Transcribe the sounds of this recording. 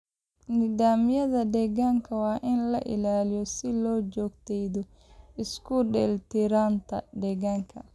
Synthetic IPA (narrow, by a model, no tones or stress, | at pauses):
nɪðaːmɪjɐðɐɖɛɣaːŋkʰɐwɑːʔɪnlɐ̰ʔɪ̰laːlɪjɔsɪlɔːd͡ʒɔːɡt̪ʰɛjðɔ | ɪskʰʊɖɛlt̪ʰɪɾaːnt̪ʰɐ̰ɖɛɣaːŋkʰɐ